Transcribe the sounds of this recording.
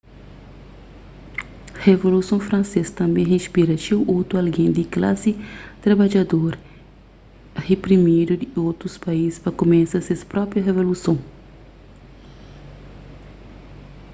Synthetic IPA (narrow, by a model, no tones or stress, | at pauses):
hevolusõfɾɐ̃nsest̪ɐ̃mbẽj̃ɦeʃpiɾɐt͡ʃiʔowt̪uɐlɡẽnd̪iklasit̪ɾabad͡ʒad̪oɾ | hepɾimid̪ud̪iowt̪ɾuspaiz̥spɐkomẽsɐsespɾɔpɾjɐɦevolusõw̃